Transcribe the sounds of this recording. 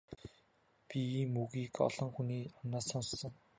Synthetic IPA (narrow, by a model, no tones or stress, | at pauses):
pʲimuɣiːkɔ̰ɮɞ̆ŋxuniːɔnaːsɔnsːɞ̆ŋ